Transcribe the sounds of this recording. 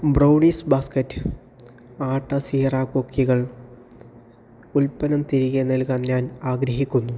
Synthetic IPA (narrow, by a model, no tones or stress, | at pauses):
brɐwɳisbaːskɐtːɨ̥ | aːʈːɐsiːraːkokʰːiɣɐɭ | ulpːɐnɐmt̪iɾiɣenːɐlkaːnɲaːnaːɡɾɐɦikʲːunːu